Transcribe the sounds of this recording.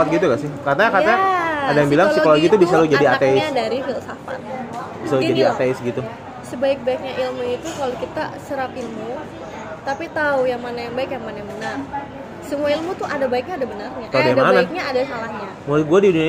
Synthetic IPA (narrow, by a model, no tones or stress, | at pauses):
at̪̚ɡit̪uɡasɪhkarnakarnaːdajaŋbilaŋsikaloɡit̪ubisalod͡ʒadiat̪eɪsdaɾiɦilsafa̰t̪̚ | isalud͡ʒadiat̪eɪsɡit̪u | səbaɪk̚baɪk̚ɲaʔilmuit̪ukalokit̪asəɾapilmu | t̪apit̪aujaŋmanajaŋbaɪkjaŋmanajambənar | səmuailmut̪ʊhadabaɪk̚ɲaːdabənarɲakadamaanak̚ɲaadasalahɲa | moɾ̚ɡuadiduɲa